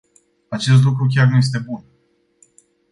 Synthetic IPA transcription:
at͡ʃe̞st̪lukɾuk̬ʲarnuje̞s̬t̪e̞bun

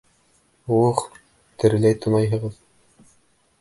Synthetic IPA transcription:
uɤχ | t̪ɘ̆ɾɘ̆læjt̪ŏnˠɑjɦɤ̆ʁɤð

